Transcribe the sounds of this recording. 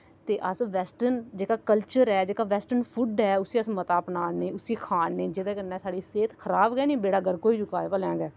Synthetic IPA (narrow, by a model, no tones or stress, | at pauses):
t̪eːʔəsʋɛːsʈənd͡ʒeːkaːkəlt͡ʃəɾɛːd͡ʒeːkaːʋɛːsʈənpʰuɖɛːʊsiːəsmət̪aːpnaːneːʊsiːkʰaːnːẽːd͡ʒɪd̪ẽːkənɛ̃ːsaːɽiːseːt̪kʰəɾaːbɡɛːnĩːbeːɽaːɡəɾkoːiːd͡ʒʊkaːpəlɛ̃ːɡɛː